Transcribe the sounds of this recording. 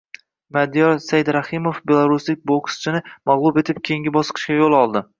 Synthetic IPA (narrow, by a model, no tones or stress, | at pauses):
mad̪ijɒɾsajd̪ɾahɪmofbe̞lˠaɾʊslɪk̚ʲbokst͡ʃʰɪnɪmaʁlˠʊbe̞t̪ʰɪp̚kʲʰeŋɡʲɪbɒsqʰɨ̥ʃkʲajolˠɒlˠd̪ɪ